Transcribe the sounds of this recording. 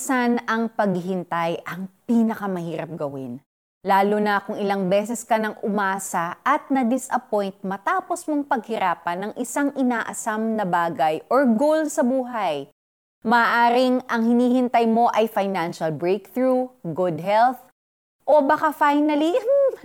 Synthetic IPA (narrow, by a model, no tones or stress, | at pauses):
sanɐŋpɐɡɦɪnt̪ajʔɐŋpiːnɐkɐmɐhiːɾɐp̚ɡɐwɪn | laːlʊnɐkʊŋɪlaŋbɛːsɛskɐnɐŋʔʊmaːsɐʔɐt̪̚nɐd̪ɪsʔɐpojnt̪̚mɐt̪aːposmoŋpɐɡ̚hɪɾʔaːpɐnːɐŋʔɪsaŋʔɪnaːʔɐsamnɐbaːɡɐjʔoɹɡowlsɐbuːɦɐj | mɐaːʔaːɾɪŋʔɐŋhɪniːhɪnt̪ɐjmo̞ʔɐjfajnanʃɐlbɹejk̚θɹuɡʊd̪̚hɛlθ | ʔo̞bakafajnɐli